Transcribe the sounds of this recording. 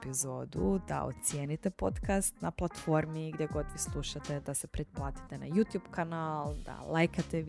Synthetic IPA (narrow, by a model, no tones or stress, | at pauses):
pizo̞ːd̪ud̪a̰o̰t̪sjeːnit̪epo̞t̪kast̪naplˠat̪fo̞ɾmiɡd̪ʲjeɡo̞d̪ʋislˠuʃat̪ed̪asepɾed̪̚plˠaːt̪i̥t̪ena̰jut̪jubkanalˠd̪a̰lajkat̪e